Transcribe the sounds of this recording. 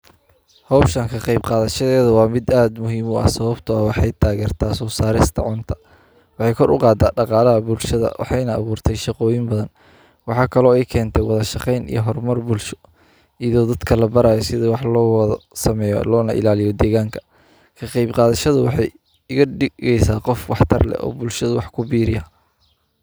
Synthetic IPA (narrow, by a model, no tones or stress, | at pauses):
hɔwʃɐŋkʰɐqɑjbqɑːðɐʃɐðɛːðɐwɑːmɪd̪aːd̪mʊɦiːmʊʔɐ̰sɐβɐbt̪ʰʊɐwɑħɑjt̪ʰaːɣɛːrt̪ʰaːsɔːsaːɾɪst̪ʰɐ̰ʕʊnt̪ʰɐ̥ | wɑħɑjkʰɔɾʔʊ̰qɑːd̪aːɖɑqɑːlɐɦɐbʊlʃɐðɐ̰wʔɑ̰ħɑjnɐ̰ːβuːrt̪ʰɛjʃɑqɔːjɪmbɐðɐn | wɑħɑːkʰɐlɔːɛjkʰɛːnt̪ʰɛjwɑðɐʃɑqɛjnḭjɔɦɔrmɐrbʊlʃɔ̥ | iðɔːd̪ɐd̪kʰɐlɐbɐɾaːjɔsɪðɐwɑħlɔːwðɐsɐmɛːjɔ̰lɔːnɐʔɪ̰laːlɪjɔd̪ɛːɣaːŋkʰɐ̥ | kʰɐqɑjbqɑːðɐʃɐðʊwɑħɑj | ɪɣɐɖɪɣɛjsaːqɔfwɑħt̪ʰɐ̰rlɛ̰ʔɔ̰ːbʊlʃɐðʊwɑħkʰʊbiːɾɪjɐ